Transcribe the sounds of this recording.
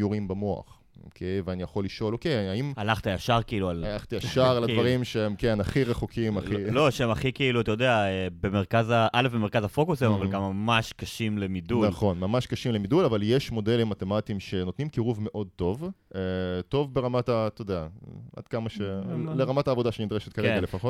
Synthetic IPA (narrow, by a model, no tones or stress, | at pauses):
juʁimbamoa̰χ | o̰kʰejveanijaχo̞lːiʃo̞lokejaaimalaχt̪ajaʃaʁkiilualalaχt̪ijaʃaʁalad̪vaʁimʃeemke̞naχiʁeχukʰimaχiloʃeemaχikiiluat̪ajodeaebemeʁkazaʔalefbemekazafo̞kusemavalɡamːamaʃkaʃimlemidunalχo̞nmamaʃkaʃimlemidulavaljeʃmo̞de̞limːate̞matimʃe̞no̞t̪nimkiʁuvme̞ʔo̞d̚to̞veto̞vbe̞ʁamatat̪ojdeaʔa̰d̪̥kamaʃeleʁamataːvo̞daʃenid̪ʁeʃet̚kaʁeɡalefaχot